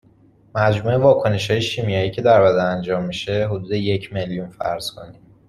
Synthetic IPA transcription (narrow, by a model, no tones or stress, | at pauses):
mæd͡ʒmuːe̞vɒːkʰo̞ne̞ʃhɒːje̞ʃiːmijɒiːcʰe̞d̪æɾbæd̪æænd͡ʒɒːmːiʃe̞ɦod̪uːd̪e̞je̞cʰme̞ljunfæ̰ɾz̥kʰo̞̰ni